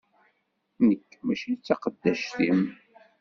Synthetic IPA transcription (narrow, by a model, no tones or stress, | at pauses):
nəkːmæʃijt͡sːɑqəd̪ːæʃt̪im